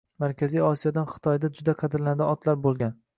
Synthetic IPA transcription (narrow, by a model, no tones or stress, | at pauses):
maɾkʲʰazijɒsijɒd̪anχɨ̥t̪ʰɒjd̪ad͡ʒʊd̪aqʰɑd̪ɪɾland̪ɪɒt̪laɾbolˠɡʲan